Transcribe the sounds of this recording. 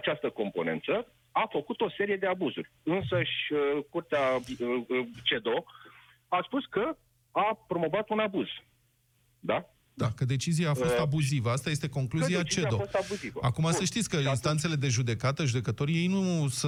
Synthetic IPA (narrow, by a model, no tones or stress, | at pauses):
at͡ʃast̪əko̞mpo̞ne̞nt̪sə | afəkut̪o̞se̞ɾije̞d̪e̞abuzuɾʲɨnsəʃʲəkurt̪ea | t͡ʃe̞d̪o̞ | aspuskə | apɾo̞mo̞vat̪unabuz̥ | d̪a | d̪akəd̪e̞t͡ʃizijaːfo̞st̪abuzivəast̪ajest̪e̞ko̞ŋkluziat͡ʃt͡ʃead̪o̞fost̪abuzivə̰akumasəʃt̪it̪sʲkəinst̪ant̪se̞le̞d̪e̞ʒud̪e̞kat̪əʒud̪e̞kət̪o̞ɾje̞jnusɨ